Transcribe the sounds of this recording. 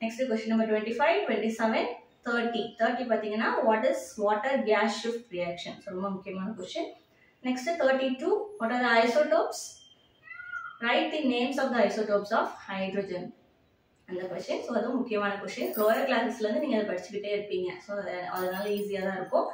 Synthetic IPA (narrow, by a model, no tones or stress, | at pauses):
nɛksʈɨkwɛsʈjɐnːɐmbɐɾʈʋeɳʈiːfɐɪʋʈʋeɳʈiːsɛʋɛn | t̪ʰəːɾʈit̪ʰɐːɾʈiːp̬aːt̪ːiːŋɡɐnaːʋɔːʈɪzʋɔːʈɐɾɡaːsɪfʈɾijaːkʂɐnsoːnɐmːɐmʊkʰːɪjɐmaːnɐkʊɾʃɐn | nɛksʈɨt̪ʰɐːɾʈiʈuːʋɔːʈaːɾd̪ɐɐɪsoːʈoːps | ɾɐɪʈ̚d̪ineːmsɔːfd̪ɐɐɪsoːʈoːpsɔːfhɐɪɖɾoːd͡ʒɐn | ɐnd̪ɐkʋest͡ʃɐnsoːɐðũmʊkʰːɪjɐmaːnɐkʊɾʂt͡ʃɐ̃nɾoːjɐɾklaːsɪkslɐ̃nd̪ɯniːŋɡɐðɐɾpɐɽɪt͡ʃːɪkɪʈːeːɪɾpːiŋɡɐsoːɐðɐnaːlɐiːsijaːðaːɪɾɯpːõː